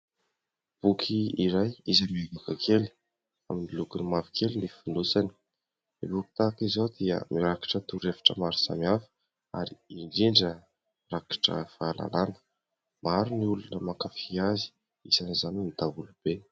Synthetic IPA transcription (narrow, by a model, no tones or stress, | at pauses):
b̥ukʰiiɾajizamieɡukakʰeli̥ | aminilukunimavikʰelinifinusani̥ | ibuki̥t̪akizod̪iə̰miɾaki̥ʈ͡ʂət̪uɾefḁʈ͡ʂəmaɾi̥sa̰miafə̥ | a̰ɾiiɳɖ͡ʐiɳɖ͡ʐə | raki̥ʈ͡ʂə̰v̥aala̰lanə̥ | maɾuniulunəmakəfiazi̥ | izanizaninid̪aulub̥e